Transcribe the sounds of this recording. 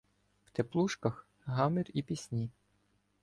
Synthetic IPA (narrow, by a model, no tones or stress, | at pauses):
w̥t̪eplˠuʃkɐx | ɦɑmɪrʲipʲisʲnʲi